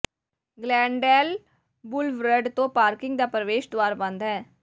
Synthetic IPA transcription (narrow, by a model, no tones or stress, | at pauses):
ɡlɛ̃ːɳɖɛːl | bʊlʋɾəɖt̪õːpaːɾkɪ̃ŋɡ̚d̪aːpɾəʋeːʃd̪waːɾabə̃nd̪ɦɛː